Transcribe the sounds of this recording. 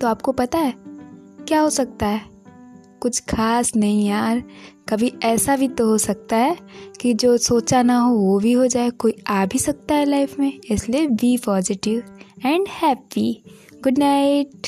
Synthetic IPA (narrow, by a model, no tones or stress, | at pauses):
t̪oaːp̚kopɐt̪aɦɛːkjaːɦosɐk̚t̪aɦɛː | kʊt͡ʃʰkʰaːsnɐɦĩjaːɾkɐbʱiɛːsabʱit̪oɦosɐk̚t̪aɦɛːkid͡ʒoːsoːt͡ʃanaɦoʋobʱiɦod͡ʒaːekoːiaːbʱisɐk̚t̪aɦɛlaːɪfmẽɪsliebipɔːzɪʈɪʋɛ̃ːɳɖhɛːpi | ɡʊɖnaɪʈ